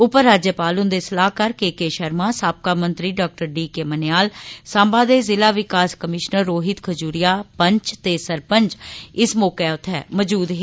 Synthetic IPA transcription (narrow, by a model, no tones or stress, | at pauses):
ʊpəɾːaːd͡ʒjəpaːlʊnd̪eːsəlaːkəɾkeːkeːʃəɾmaːsaːp̚kaːmənt̪ɾiːɖaːk̚ʈəɾɖiːkeːmənjaːlsãːmbaːd̪eːzɪlaːʋɪkaːskəmɪʃnəɾːoːɦɪt̪kʰəd͡ʒuːɾɪjaːpəɲt͡ʃt̪eːsəɾpəɲt͡ʃɪsmoːkɛːʊt̪ʰːɛːməd͡ʒuːd̪ɦ